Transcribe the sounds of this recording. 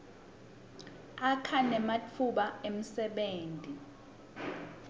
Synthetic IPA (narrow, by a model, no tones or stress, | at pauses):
akʰanɛmat͡fʰuɓaem̩sɛɓeːntʼi